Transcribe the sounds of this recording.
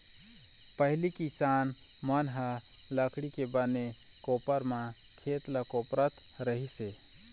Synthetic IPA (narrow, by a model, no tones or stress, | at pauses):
pəɦilikisan | mənɦə | ləkʰɽikebəne | kopəɾmã | kʰet̪ləkopɾət̪ | ɾəɦise